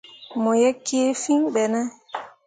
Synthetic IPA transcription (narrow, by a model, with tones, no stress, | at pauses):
mɔ˨jɛ˦kːe˦fi˦ŋɓɛ˨nɛ˦